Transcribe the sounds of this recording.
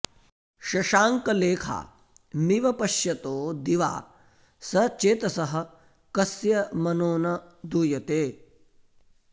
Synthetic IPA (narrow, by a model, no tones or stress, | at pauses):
ʃɐʃaːŋkɐleːkʰa̰ː | miʋɐpɐʃjɐt̪oːd̪iʋa̰ː | sɐt͡ʃeːt̪ɐsɐɦɐ̆ | kɐsjɐmɐnoːnɐd̪uːjɐt̪eː